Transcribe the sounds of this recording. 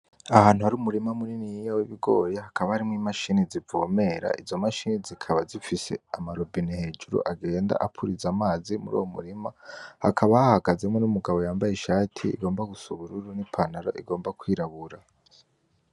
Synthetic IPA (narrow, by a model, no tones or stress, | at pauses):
ahaːn̥huhaɾuːmuɾimamuninijijawiβiɡo̞̰ːjehakaβahaɾimŋimaʃiːnizivoːme̞ɾa̰ʔizo̞maʃiːnizikʰaβazifise̞̰amaɾobinihe̞ːd͡ʒuɾṵʔaɡe̞ːnda̰ʔapʰuɾizamaːzimṵɾṵwomṵɾimahakʰaβahahaɡaze̞mŋe̞numuɡaβo̞jaːmbajeʃaːtʰḭːɡo̞ːmbaɡusuβuɾuɾunipʰanaɾo̞̰ʔḭɡo̞ːmbakwiːɾaβuɾa